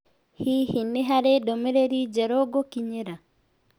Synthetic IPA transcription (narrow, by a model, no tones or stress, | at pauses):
hihineɦaɾedomeɾeɾid͡ʒɛɾɔɡokiɲeɾa